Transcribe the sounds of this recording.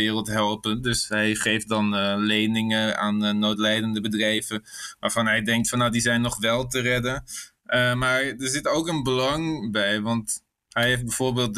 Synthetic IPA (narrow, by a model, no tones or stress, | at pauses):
ɪːrəlˠtɦɛlˠpəndɵsɦɛjχejft̚dɑnlejnɪŋəa̰ːnːoːtlɛjdəndəbədrɛjvəʋaːɹv̥ɑnɦɛjdɛŋk̚tfɑnːawdizɛjnːɔχʋɛlˠtərɛdə | ʔəmaːɹdəɹzɪtowkənbəlɑŋbɛjʋɑnt | ɦɛjɦef̚bɛv̥oːɹbeːlˠt̚